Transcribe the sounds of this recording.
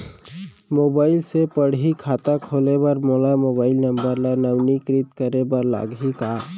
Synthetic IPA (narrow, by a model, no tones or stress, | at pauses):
mobaɪlsepəɽikʰat̪akʰolebəɾmolamobaːɪlnəmbəɾlanəwnikɾit̪kəɾebəɾla̰ɡika